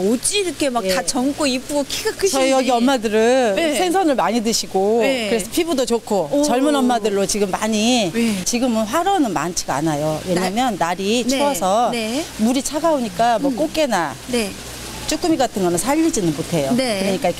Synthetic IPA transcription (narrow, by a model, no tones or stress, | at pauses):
od͡ʑiɾkʰemakeat͡ɕʌŋk͈oip͈uɡokʰiɡakt͡ɕʌijʌɡiʌmːadɯɾɯsʰeŋsʰʌnɯɭmaɲidɯɕʰiɡokɯɾe̞sʰʌpʰibudot͡ɕokʰot͡ɕʌɭmɯnʌmːadɯɭːot͡ɕiɡɯmːaɲit͡ɕiɡɯmɯnɸwaɾʌnɯnma̰nt͡ɕʰi̥ɡa̰najowe̞ɲamjʌnːaɾit͡ɕʰoʌsʰʌnemuɾit͡ɕʰaɡaoɲik͈amwʌk͈ok͈e̞nane | t͡ɕ͈uk͈umiɡatʰɯŋɡʌnɯnsʰaʎːid͡ʑinɯnmotʰe̞joekɯɾʌɲik͈ajikʰe